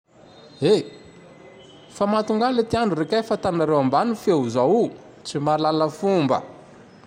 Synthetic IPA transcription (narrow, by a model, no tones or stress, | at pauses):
e | famat̪uŋɡalet̪ianurekʲajfat̪anaɾewambanufeuzawu | t͡simalaləfumbə̰